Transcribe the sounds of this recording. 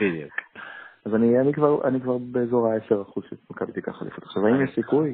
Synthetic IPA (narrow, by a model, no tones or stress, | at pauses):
bid̪iukazanianikvaʁa̰nikvaʁbeːzo̞ʁaeseʁaχuzʃemakabt̪ika̰χa̰lḭfot̪ḁχʃavaimjɛʃsikuj